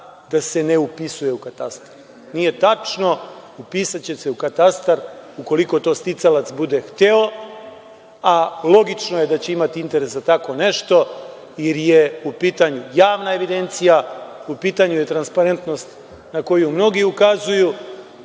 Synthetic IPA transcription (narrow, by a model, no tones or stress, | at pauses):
d̪̥ase̞ne̞upisuje̞ukat̪ast̪ḁɾɾ | nije̞t̪at͡ʃno̞upisat͡ɕe̞se̞ukat̪ast̪aɾuko̞liko̞t̪o̞ːst̪it̪salat̪sbud̪e̞xt̪eo̞ | alˠo̞ɡit͡ʃno̞je̞d̪at͡ɕe̞imat̪iint̪e̞ɾe̞sat̪ako̞ne̞ʃt̪o̞ | iɾje̞upiːt̪aɲujaːʋnae̞ʋid̪e̞nt̪sijaupiːt̪aɲuje̞t̪ɾanspaɾe̞nt̪no̞st̪ | nako̞jumno̞ɡiukazuju